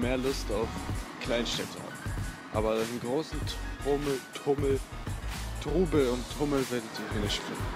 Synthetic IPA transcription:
meːɐlʊstaʊfkʰl̥aɪnʃtɛtʰəha̰ːm̩ | ʔa̰ːbɐdannɡʁoːsn̩ʊmtʰʊml̩ | tʁuːbl̩ʊnttʰːʊml̩vɪɐdəd̥ihɪnəʃpʁ̥ɪ̰

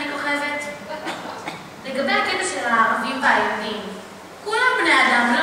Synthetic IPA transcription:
ikoχevet̪ | leɡabejakedaʃelaaːʁavimveajamim | kulambnejad̪amlo

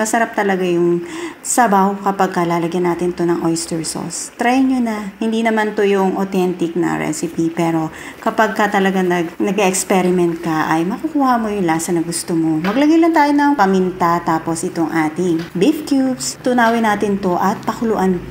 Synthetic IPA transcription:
mɐsɐɾap̚t̪ɐlɐɡajʊŋsɐbawʊkɐpaɡ̚kɐlaːlɐɡjɐnːaːt̪ɪnt̪onɐŋʔojst̪ɛɹso̰st̪ɾajɪɲɲonɐhɪnd̪inɐmant̪ojʊŋʔot̪ɛnt̪ɪk̚nɐ̰ɹɛ̰sɪpipɛːɾo̞ | kɐpaɡ̚kɐt̪ɐlɐɡanɐɡnɐɡɛʔɛkspɛɾɪmɛnt̪̚kɐʔɐjmɐkukuːhɐmojʊŋlaːsɐnɐɡʊst̪omomɐɡlɐɡajlɐnt̪aːjonɐŋpɐmɪnt̪at̪aːpo̞sʔɪt̪oŋʔaːt̪ɪŋbifkjubst̪ʊnaːwɪnaːt̪ɪnt̪o̞ʔɐt̪̚pɐkʊlʊʔan

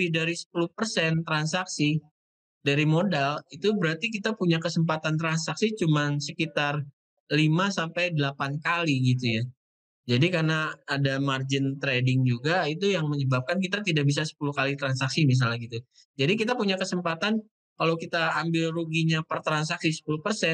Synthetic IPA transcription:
idaɾisə̥puluhpərsɛnt̪ɾansaksi | daɾimodalit̪ubəɾart̪ik̬it̪apuɲakəsəmpat̪ant̪ɾansaksit͡ʃumansəkit̪ar | limasampajdəlapankaliɡit̪̬uja | d͡ʒadikarnaːdamard͡ʒɪnt̪ɾedɪŋd͡ʒuɡait̪ujaŋməɲəbap̚kankit̪at̪idaʔbis̬asə̥pulukalit̪ɾansaksimis̬alaɡit̪u | d͡ʒadik̬it̪apuɲakəsəmpat̪an | kalawkit̪aːmbɪlruɡiɲapərt̪ɾans̬aksisə̥puluhpərsɛn

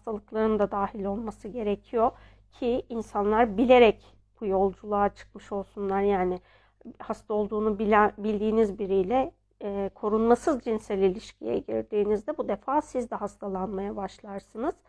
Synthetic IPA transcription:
hast̪ʰalˠɯklˠaɾɯnd̪ad̪aːhilʲo̞lˠmasɯɟe̞ɾecʰijo̞ | cʰiinsanlˠaɾbilʲe̞ɾɛc | b̥ujo̞lˠd͡ʒulˠaːt͡ʃʰɯ̥kmɯʃo̞lˠsunlˠaɾjaːnɪ | hast̪ʰao̞lˠd̪uːnubbilʲd̪iːnizbiɾijlʲɛ | kʰo̞ɾunmasɯzd͡ʒinsɛlʲilʲiʃcʰḭjɛ̰ɟḭɾd̪iːnizd̪ɛbud̪efaːsizd̪ɛɦast̪ʰalˠanmajabaʃlˠaɾsɯnɯz̥

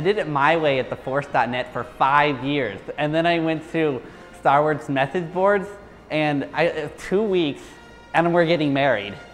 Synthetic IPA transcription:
aɪdɨɾɨt̚maɪweɪɨt̪̚ðəfɔɹsd̥ɑtⁿnɛtfə˞faɪvjɪɹz̥ɨ̃nðɨ̃ɾ̃aɪwɛ̃ntʰɨ | stɑɹwɔɹzmɛθɨd͡ʒbɔɹdz | ʔɨ̃na̰ɪɪtʰuwiks | ɨ̃ñãɪ̃mwəɹɡɛɾɪ̃ŋmɛɹḭd̥

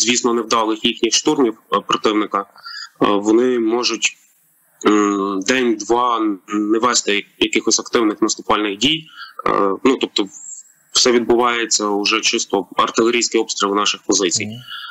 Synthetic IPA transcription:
zʲʋʲisnɔnewd̪ɑlˠɪxjixnʲixʃt̪urmʲiwpɾɔt̪ɪwnɪkɐ | ʋɔnɪmɔʒʊtʲ | d̪ɛnʲd̪ʋɑnɛʋɛst̪ɪjɐkɪxɔsʲɐkt̪ɪwnɪxnɐst̪ʊpɑlʲnɪxdʲij | nut̪ɔp̚t̪ɔ | w̥sɛʋʲid̪̚bʊʋɑjet͡sʲːɐʊʒɛt͡ʃɪst̪ɔɐ̰rt̪ɪlˠeɾʲijsʲkɪjɔbst̪ɾʲilˠnɑʃɪxpɔzɪt͡sʲij

